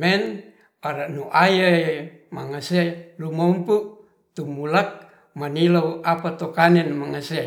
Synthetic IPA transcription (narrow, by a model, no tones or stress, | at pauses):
mɛn | aɾaʔnuʔajae | maŋaselumompuʔ | t̪umulak̚ | manilouapat̪okanɛnmaŋase